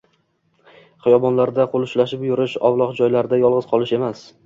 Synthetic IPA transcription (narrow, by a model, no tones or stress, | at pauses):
χɨjɒbɒnlaɾd̪aqʰolˠʊʃlaʃɪpjʊɾɪʃɒ̰vlˠɒqd͡ʒɒjlaɾɪd̪ajɒlˠʁɨzqʰɒlˠɪʃe̞mas